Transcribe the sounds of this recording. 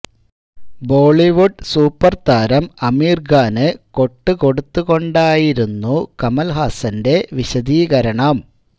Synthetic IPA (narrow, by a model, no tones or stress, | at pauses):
bo̞ːɭiʋuɖsuːpːɐrt̪aːɾɐmɐmiːrɡaːnɨko̞ʈːɨko̞ɽut̪ːuɣo̞ɳɖaːjiɾunːukɐmɐlɦaːsɐnde̞ʋiɕɐd̪iːɣɐɾɐɳɐm